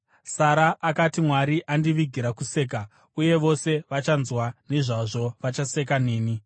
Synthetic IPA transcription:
saɾaːkatimwaɾiʔandiʋiɡʱiɾakuse̞ːk̬a | uje̞ʋo̞se̞ʋat͡ʃanzwaneʐaʐo̞ʋat͡ʃase̞k̬aneːni

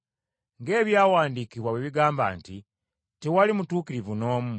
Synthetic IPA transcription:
ŋɡe̞ːβjaːwaːndikiβwaβweβiɡaːmba̰ːnti | tewalimutuːkiɾivuno̞ːmu

